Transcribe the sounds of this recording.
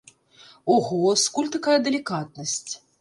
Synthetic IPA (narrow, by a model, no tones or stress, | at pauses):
uɣɔskulʲt̪akajɐd̪ɛlʲikat̪̚nɐsʲt͡sʲ